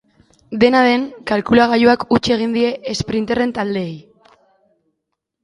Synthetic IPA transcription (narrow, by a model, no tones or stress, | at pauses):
d̪e̞naðe̞ŋkalkulaɣ̞ajoakut͡ʃie̞ɣ̞ind̪ie̞ːspɾint̪ere̞nt̪ald̪e̞ːj